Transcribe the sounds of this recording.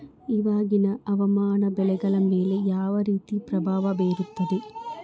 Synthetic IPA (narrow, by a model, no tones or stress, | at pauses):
iʋaːɡinɐʔɐʋɐmaːnɐbɛlɛɡɐɭɐmːe̞ːlejaːʋɐɾiːt̪ipɾɐbʱaːʋɐbeːɾut̪ːɐd̪e